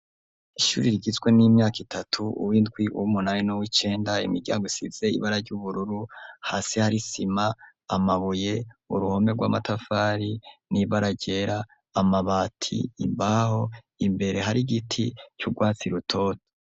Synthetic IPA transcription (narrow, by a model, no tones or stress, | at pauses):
iʃṵːɾiɾiɡizɡwe̞nimɲaːkitʰatʰuṵwindɡwiʔṵwumunajinowit͡ʃe̞ːndaḭmiɾɟa̰ːŋɡoisiz̥e̞ḭβaɾaɾɟuβuɾuɾuha̰ːsihaɾisimaː | maβuje̞ṵɾuho̞me̞ɡwa̰ːmatafaːɾiniβaɾaɟe̞ɾaː | maβaːtʰḭːmbaho̞ | imbe̞ɾe̞ɦaɾiɡitʰit͡ʃuɡwaːt͡siɾutʰo̞ːto̥